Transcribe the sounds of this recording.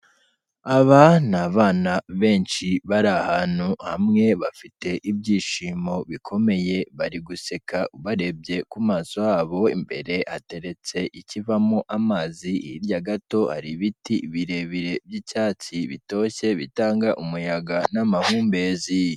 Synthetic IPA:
aβanaβaːnaβe̞ːnʃiβaɾahaːn̥huha̰mŋe̞βafite̞ʔibɟiːʃiːmo̞βikʰo̞me̞je̞βaɾiɡuse̞kaʔuβaɾe̞b̚ɟe̞kumaːso̞jaːβo̞ḭmbe̞̰ɾe̞hate̞ɾe̞t͡se̞ʔicivamoʔamaːzihiɾɟaɡato̞ha̰ɾiβitiβiɾe̞βiɾe̞bɟicaːt͡siβito̞çe̞βitaːŋɡaʔumujaɡanamahuːmbe̞zi

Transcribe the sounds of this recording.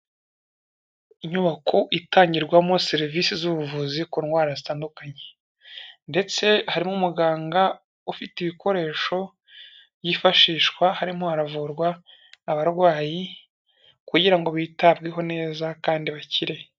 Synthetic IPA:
iɲuβakʰoʔitʰaːɲɟiɾɡwamo̞seɾiviːsizuβuvuzikunɡwaːɾazitaːndukaɲe̥ | nde̞t͡se̞haɾimomuɡaːŋɡa | ufitiβiko̞ɾe̞ːʃo̞ | βjifaʃiːʃkwahaɾimohaɾavuːɾɡwaː | βaɾɡwaːji | kuɟiɾaŋɡo̞βitab̚ɡiɦo̞ne̞ːzakaːndiβaciɾe̞

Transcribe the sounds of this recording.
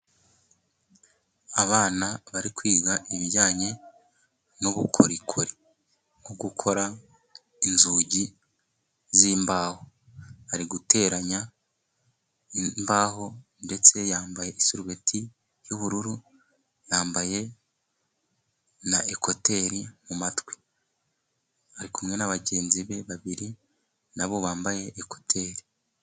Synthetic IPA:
aβaːnaβaɾikwiːɡaʔiβiɾɟaːɲe̞ | noβukʰo̰ɾikʰoɾi | ŋoɡukʰo̞ɾa | inzuːɟi | ziːmbaːho | βaɾiɡutʰe̞ːɾaɲa | imbaːho̞ | nde̞t͡se̞jaːmbaje̞ʔisuɾuwe̞tʰi | juβuɾuɾu | jaːmbaje̞ | naʔeko̞te̞ɾimumatwi̥ | aɾikumŋe̞naβaɟe̞ːnziβe̞βaβiɾi | naβo̞βaːmbaje̞ʔːko̞̥tʰe̞ːɾi

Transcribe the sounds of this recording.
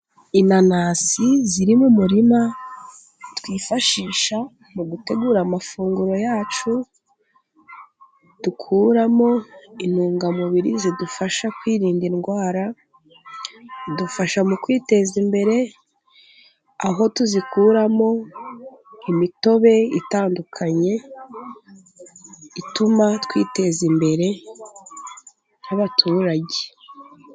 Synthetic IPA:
inanasiziɾimumuɾima | twiːfaʃiːʃa | muɡute̞ɡuːɾamafuːŋɡuɾo̞jaːt͡ʃu | d̥ukʰuːɾamo̞inuːŋɡamuβiɾizidufaʃakwiːɾiːndinɡwaːɾa | dufaʃamukwiːte̞zimbe̞ɾe̞ | aɦo̞tuzikuːɾamo̞ | imito̞βe̞itaːndukʰaɲe̞ | itumatwḭːte̞zimbe̞ɾe̞ | jaβatʰuːɾaɟe

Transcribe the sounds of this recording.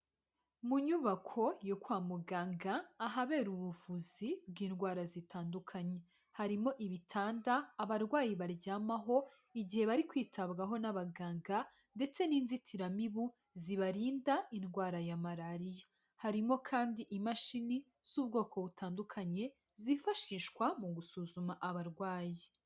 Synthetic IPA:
muɲuβakʰo̞jokwaːmuɡaːŋɡaːɦaβe̞ːɾuβuvuzib̚ɡiːnɡwaːɾazitʰaːndukʰaɲe̞ | haɾimo̞ʔiβitʰaːndaːβaɾɡwaːjiβaɾɟaːmaɦo̞ | iɟihe̞βaɾikwiːtʰabɡaɦo̞naβaɡaːŋɡa | nde̞t͡se̞niːnzitʰiɾamiβu | ziβaɾiːndainɡwaːɾajamaɾaɾija | haɾimo̞kʰaːndiʔimaʃini | z̥uːbɡo̞ːkʰo̞βutʰaːndukʰaɲe̞ | zifaʃiːʃkwamuɡusuzumaʔaβaɾɡwaːji

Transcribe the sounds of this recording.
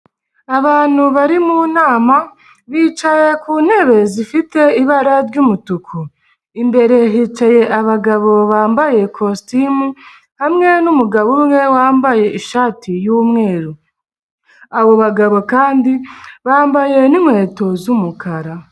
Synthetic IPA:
aβaːn̥huβaɾimunaːma | βiːt͡ʃaje̞kuːn̥e̞βe̞zifite̞iβaɾaɾɟumutukʰu | imbe̞ɾe̞ɦiːt͡ʃaje̞ʔaβaɡaβo̞βaːmbaje̞kʰostimu | hamŋe̞numuɡaβumŋe̞waːmbaje̞ʔiʃaːtijumŋe̞ːɾu | aβo̞βaɡaβo̞kaːndiβaːmbaje̞nimŋe̞ːto̞zumukʰaɾa

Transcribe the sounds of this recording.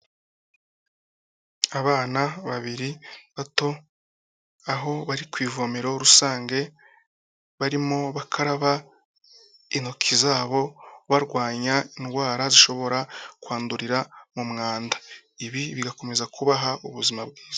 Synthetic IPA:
aβaːnaβaβiɾiβato̞ | aɦo̞βaɾikwiːvomeɾo̞ɾusaːŋɡe̞ | βaɾimo̞βakʰaɾaβa | inokʰizaːβo̞βaɾɡwaːɲainɡwaːɾaziʃo̞βo̞ɾakwaːnduɾiɾamumŋaːnda | iβiβiɡako̞me̞zakuβaɦauβuzimabɡiːz̥ḁ

